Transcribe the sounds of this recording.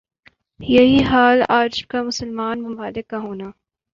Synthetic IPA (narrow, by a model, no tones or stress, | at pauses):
jɐɦiɦaːlaːd͡ʒkamʊsəlmaːnmʊmaːlɪkːaɦoːnaː